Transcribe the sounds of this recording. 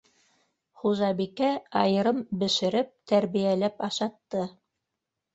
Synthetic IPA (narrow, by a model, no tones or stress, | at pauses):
χuʒɑβikæɑjɤ̆ɾɤmbɘ̆ʃɘ̆ɾɘp̚t̪æɾβijælæpɑʃɑt̪ːɤ